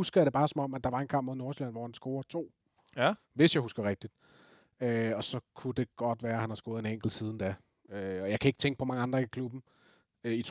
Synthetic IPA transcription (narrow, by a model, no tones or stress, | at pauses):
usɡ̥ɐjadɾe̝b̥ɑ̈ːsɒ̽mɒ̽m̰æd̥ɑ̈ʋɑ̈e̝nkʰɑ̈m̰b̥moðˠno̝ɐslæn̰ʋɒ̰hænsɡ̥o̝ːɐt͡sʰo̝̰ː | ʋe̝sjɑ̈husɡ̥ɐʁɛɡ̥̚d̥id̥ | øɒ̽sɒ̽kʰud̥e̝ɡ̥ɒ̽d̥ʋæːɐhænhɑ̈sɡ̥o̝ːð̩ˠeneŋ̰ɡ̥l̩siːð̞ˠn̩d̥æ | øɒjɑ̈ɪkʰæe̝ɡ̥ə̥t͡sʰeŋɡ̥əpʰɒ̽mɑ̈ŋəɑ̈nd̥ʁɐikʰlub̥n̩ | øit͡sʰ